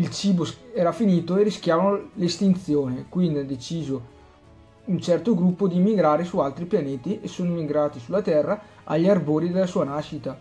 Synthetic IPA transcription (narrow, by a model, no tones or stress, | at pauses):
ilt͡ʃiːbosɛːɾafiniːt̪oerːisk̟jaːvanolest̪int̪sjoːnekwind̪iad̪et͡ʃiːzo | unt͡ʃɛrt̪oɡɾupːod̪iːmːiɡɾaːɾesualt̪ɾipjaneːt̪iʔesoːnoimːiɡɾaːt̪isulːat̪ɛrːa | a̰ʎːarboːɾid̪elːasuːanaʃit̪a